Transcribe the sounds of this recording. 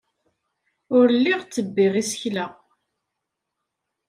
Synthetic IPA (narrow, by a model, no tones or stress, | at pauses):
ʊɾlːiʁt͡sːəbːiʁisəçla